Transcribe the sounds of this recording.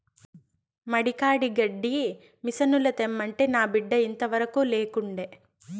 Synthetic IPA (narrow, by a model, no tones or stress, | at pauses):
mɐɽikaːɽiɡɐɖːi | misɐnulɐt̪emːɐɳʈeːnaːbiɖːɐint̪ɐʋɐɾɐkuːleːkuɳɖeː